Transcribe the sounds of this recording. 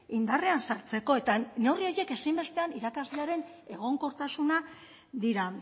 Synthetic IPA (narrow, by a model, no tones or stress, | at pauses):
ind̪are̞ansaɾt͡se̞ko̞e̞t̪ano̞rio̞je̞ke̞simbe̞st̪eaniɾakazle̞aɾe̞n | e̞ɣo̞ŋko̞ɾt̪asuna | ðiɾa